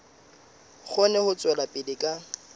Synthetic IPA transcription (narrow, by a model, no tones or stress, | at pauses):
k͡xʰɔnɛhʊt͡sʼwɛlapʼɪdɪkʼa